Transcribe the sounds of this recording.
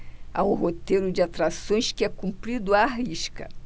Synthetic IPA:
aũɦot̪ejɾʊd͡ʒɪat̪ɾasõj̃skɪɛkũmpɾid̪ʊaɦiʃkɐ̰

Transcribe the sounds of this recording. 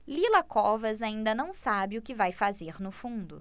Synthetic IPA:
lilɐkɔvɐzaĩnd̪ɐnɐ̃w̃sabɪʊkɪvajfazeɾnʊfũnd̪ʊ

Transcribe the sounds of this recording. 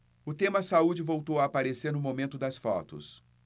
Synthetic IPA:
ʊt̪ẽmɐsaud͡ʒɪvowt̪owaːpaɾeseɾnʊmomẽt̪ʊd̪ɐsfɔt̪ʊ̰s

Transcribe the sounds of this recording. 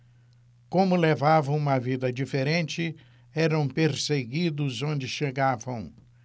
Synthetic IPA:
kõmʊlevavɐ̃w̃ũmɐvid̪ɐd͡ʒifeɾẽnt͡ʃɪ | ɛɾɐ̃w̃peɾseɡid̪ʊzõnd͡ʒɪʃeɡavɐ̃w̃

